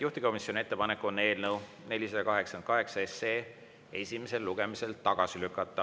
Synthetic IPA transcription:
juht̪iko̞misjo̞nʲie̞t̪ːepɑne̞kːˑuonːe̞ːlnɤw | ne̞lʲisɑd̪ɑkɑɦe̞ksɑnkɑɦe̞ksɑese̞ː | e̞sʲime̞se̞lːuɡ̥e̞mise̞lt̪ɑɡ̥ɑsilykːˑɑt̪ːˑɑ

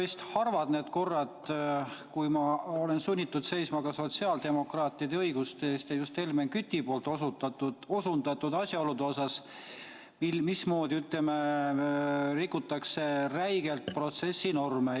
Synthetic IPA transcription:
est̪hɑrvɑd̪̥ne̞ːd̪̥ko̞rːɑd̪ | kujmɑo̞le̞nsunʲːit̪ːˑud̪̥se̞jsmɑɡ̥ɑso̞t̪siɑːld̪̥e̞mo̞krɑːt̪ːˑiɑd̪eɤjɡ̥ust̪eːst̪jɑjust̪e̞lmeŋkyt̪ʲːipo̞ːlt̪osut̪ːɑt̪uo̞sund̪̥ɑt̪ːud̪̥ɑsʲjɑo̞lud̪eo̞sɑs | milmismo̞ːd̪iyt̪leme | rikːˑut̪ːˑɑkse̞ræjɡe̞lt̪pro̞t̪se̞sːino̞rme

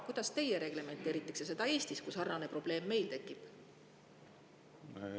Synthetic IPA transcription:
kud̪̥ɑst̪e̞jeɾe̞ɡ̥le̞me̞nt̪ːˑeːɾit̪ːˑe̥ksjɑse̞d̪̥ɑe̞ːsʲt̪iskusɑrnɑne̞pro̞b̥le̞ːmːe̞jlt̪e̞kˑːib̥

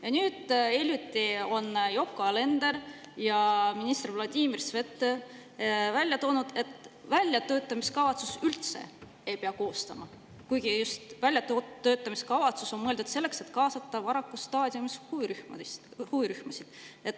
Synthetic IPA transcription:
jɑnyːd̪̥elʲjut̪ːˑio̞njo̞kːˑole̞nd̪̥e̞ɾ | jɑminist̪ervlɑd̪̥ʲiːmirsve̞t̪ːˑ | vælʲjɑt̪o̞ːnud̪̥e̞t̪vælʲjɑt̪ø̞ːt̪ːˑɑmiskɑvɑt̪susylt̪se̞̰ | e̞jpeɑko̞ːst̪ɑmɑ | kujɡ̥ijust̪vælʲjɑt̪oø̞ːt̪ːˑɑmiskɑvɑt̪suso̞nmɤeld̪ud̪se̞lːe̞kse̞t̪kɑːsɑt̪ːˑɑvɑɾɑkːˑust̪ɑːd̪ʲiumishuiɾyhmɑhuiɾyhmɑsid̪̥e̞t̪ːˑ

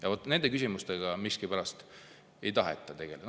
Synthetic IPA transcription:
jɑvo̞t̪ːˑne̞nd̪̥e̞kysimust̪eɡ̥ɑmiskipæɾɑst̪ | ejt̪ɑɦḛt̪ːˑɑt̪e̞ɡ̥el

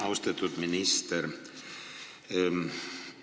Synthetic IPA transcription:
awst̪at̪ʰut̪minist̪ɛɾ

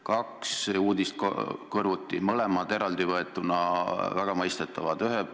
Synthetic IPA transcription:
kɑksuːd̪̥ʲist̪kkɤrvut̪ˑːimɤle̞mɑd̪̥e̞ɾɑld̪̥ivɤe̞t̪ːˑunɑvæɡ̥ɑmɤjst̪et̪ːˑɑvɑd̪yɦe

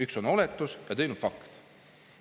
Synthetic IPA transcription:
ykso̞no̞let̪ːˑusjɑt̪e̞jnud̥̪fɑkt̪

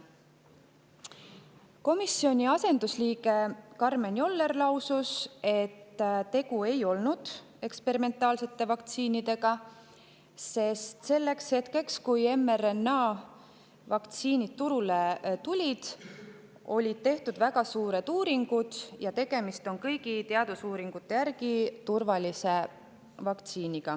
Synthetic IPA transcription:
ko̞misːio̞nʲiɑse̞nd̪usliːɡe̞kɑrmenʲo̞lːe̞rlɑwsuse̞t̪ːt̪e̞ɡue̞jo̞lnud̪̥ | e̞kspe̞ɾime̞nt̪ːˑɑːlse̞t̪ːe̞vɑkt̪siːnid̪e̞ɡɑ | se̞st̪se̞lːe̞kshe̞t̪ke̞kskuje̞merenːɑː | vɑkt̪siːnid̪̚t̪ːuɾule̞t̪ulʲid̪̥ | o̞̰lʲid̪̥̚t̪e̞ht̪ud̪̥væɡɑsuːɾe̞d̪̥uːɾiŋɡ̥ud̪̥jɑt̪e̞ɡe̞mist̪o̞nkɤjɡ̥it̪eɑd̪̥usuːɾiŋɡ̥ut̪ːe̞jæɾɡ̥it̪urvɑlʲise̞ | vɑkt̪siːniɡ̥ɑ

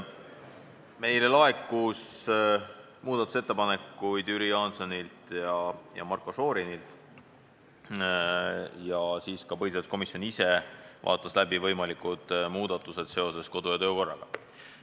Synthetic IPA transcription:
me̞jle̞lɑe̞kːˑus | muːd̪̥ɑt̪ːˑu̥se̞t̪ːˑe̞pɑne̞kːˑujd̪̥yɾijɑnso̞nilt̪jɑjɑ̰mɑrkˑoso̞ːɾinilt̪ˑ | jɑsiːskɑpɤhiseɑsko̞misjo̞nise̞vʔɑ̰ːt̪ˑːɑslæbivɤ̞jmɑlikːˑud̪̥muːd̪̥ɑt̪ːˑuse̞d̪̥se̞o̞se̞sko̞d̪̥ujɑt̪øːko̞rːɑ̰ɡ̥ɑ

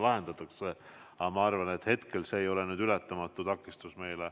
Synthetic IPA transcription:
lɑɦe̞nd̪̥ɑt̪ːˑukse̞ɑmɑɑrvɑne̞t̪he̞t̪ke̞lseːjo̞lenyːd̪̥ylæt̪ːˑɑmɑt̪ːut̪ɑkːˑist̪usme̞jle

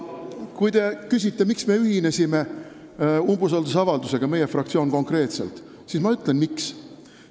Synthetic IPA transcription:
kujd̪t̪e̞kys̬ʲit̪ːe̞miksme̞yɦine̞sʲime̞ | umbus̬ɑld̪us̬ɑvɑld̪use̞ɡ̥ɑme̞jefrɑk̚t̪sio̞ːnko̞ŋkre̞ːt̪se̞̰lt̪ | sismɑyt̪ːˑlenmiks

